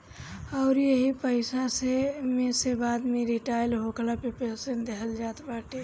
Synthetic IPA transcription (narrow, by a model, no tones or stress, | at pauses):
ɔʊɾjəɦipəɪsasemẽsebaːd̪mẽɾiʈaɪlɦoklapepesẽnd̪eɦəld͡ʒaːt̪baːʈe